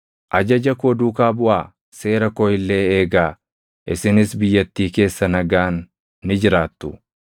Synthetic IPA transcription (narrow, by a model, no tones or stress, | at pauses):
ʔɐd͡ʒɐd͡ʒɐkoːd̪uːkaːbʊʔaː | se̞ːɾɐkɔjɪlːe̞ːeːɡaː | ʔɪsɪnɪsbɪjːɐt̪ːiːke̞ːsːɐnɐɡaːnː | ɪd͡ʒɪɾaːt̪ːʊ